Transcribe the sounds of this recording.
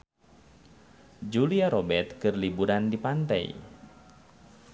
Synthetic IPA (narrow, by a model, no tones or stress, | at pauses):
d͡ʒuliaɾobɛrt̪kɨrlibuɾandipant̪a̰ḭ